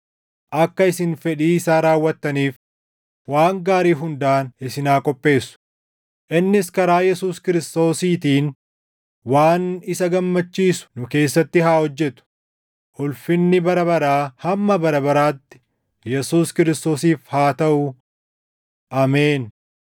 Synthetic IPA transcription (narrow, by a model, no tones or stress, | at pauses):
ʔɐkːɐɪsɪnfɛᶑiːɪsaːɾaːwːɐt̪ːɐniːf | waːŋɡaːɾiːɦʊnd̪aːnɪsɪnaːkʼɔpʼːe̞ːsʊ̥ | ʔɪnːɪskɐɾaːjɛsuːskɪɾɪst̪o̞ːsiːt̪iːn | waːnɪsɐɡɐmːɐt͡ʃːiːsʊ̥nʊke̞ːsːɐt̪ːɪɦaːhɔd͡ʒːɛt̪ʊ̥ | ʔʊlfɪnːɪbɐɾɐβɐɾaːhɐmːɐbɐɾɐbɐɾaːt̪ːɪ̥ | jɛsuːskɪɾɪst̪o̞ːsiːfhaːt̪ɐʔʊ | ʔaːmeːn